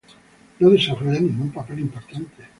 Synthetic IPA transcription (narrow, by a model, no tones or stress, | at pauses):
noðisofeenĩŋɡumpaplimpaɾt̪ant̪e